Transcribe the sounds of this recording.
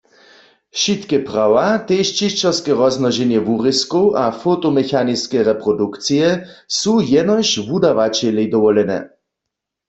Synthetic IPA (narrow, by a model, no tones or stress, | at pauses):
ʃit̪kɛpʁawat̪ejʃt͡ʃiʃt͡ʃɛʁskɛʁɔznɔʒɛnjɛʋuʁiskowʔafot̪ɔmɛxaniskɛʁɛpʁɔdukt͡sijɛsujɛnɔʃʋud̪aʋat͡ʃɛlɛjd̪ɔʋɔlɛnɛ̰